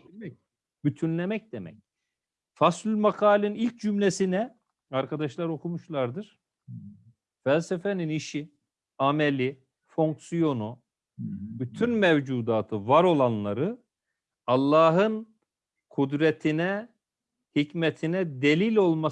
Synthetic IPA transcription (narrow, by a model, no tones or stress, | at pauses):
d̪ɛ | byt̪ʰynlʲemɛc̚d̪emɛ̰c | faslʲylʲmakʰaːlʲinilʲc̚d͡ʒymlʲesinɛ | aɾkʰad̪aʃlˠaɾo̞kʰumuʃlˠaɾd̪ɯɾ̥ | fælʲsefɛniniʃi | amelʲi | fo̞ŋksijo̞nu | byt̪ʰynmɛvd͡ʒuːd̪aːt̪ʰɯvaɾo̞lˠanlˠaɾɯ | alˠːaːɦɯn | kʰud̪ɾɛt̪ʰinɛ | hicmɛt̪ʰinɛd̪elʲilʲo̞lˠma